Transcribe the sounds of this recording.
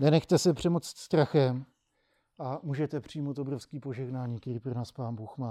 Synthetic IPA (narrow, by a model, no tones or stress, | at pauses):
nɛnɛxt̪ɛsɛpr̝̥ɛmot͡sɪ̥t̪st̪ɾaxɛm | ʔamuːʒɛt̪ɛpr̝̥ijmowt̪obɾo̞fskiːpo̞ʒɛɦnaːɲiːkt̪ɛɾiːpɾonaːspaːnbuːxmaː